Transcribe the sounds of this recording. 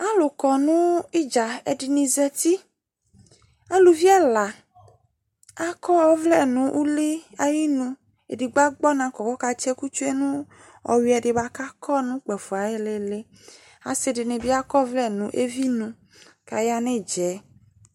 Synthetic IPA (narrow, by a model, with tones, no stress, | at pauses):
a˦lo˨kɔ˨nũ˦i˦d͡ʒa˨e˨ɖi˨nĩ˨zɛ˦t̪i˦ | a˦lu˨vi˦ɛ˦la˨ | a˦kɔ˦ɔ˦vlɛ˦nũ˨ʔu˦le˦a˦ji˦nũ˦ | e˨di˨ɡ͡ba˦ɡ͡bɔ˦nã˨kɔ˨kɔ˦ka˦t͡ʃe˦ku˦t͡ʃo˦e˦nũ˦ | ɔ̰˨wi˨˦ɛ˨ɖe˨ba˦ka˦kʰɔ˦nũ˦k͡pɛ˨fu˨a˨e˦le˦le˦ | a̰˨se˦de˨nẽ˨bi˦a˦kɔ˦vlɛ˦nũ˨˦ʔe˦vi˦nũ˨ | ka˨ja˦nẽ˦d͡ʒɛ˨˦